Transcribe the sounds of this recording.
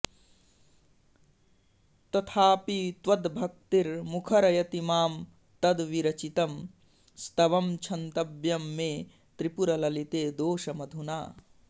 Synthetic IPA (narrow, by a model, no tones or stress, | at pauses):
t̪ɐt̪ʰaːpit̪ʋɐd̪bʱɐk̚t̪iɾmukʰɐɾɐjɐt̪imaːm | t̪ɐd̪ʋiɾɐt͡ʃit̪ɐm | st̪ɐʋɐmt͡ʃʰɐnt̪ɐbjɐmːeː | t̪ɾipuɾɐlɐlit̪eːd̪oːʃɐmɐd̪ʱuna̰ː